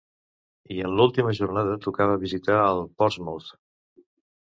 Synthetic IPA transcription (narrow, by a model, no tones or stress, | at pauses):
iənlulˠt̪iməʒurnaðət̪ukaβəβizit̪aəlˠpɔɾzmot̪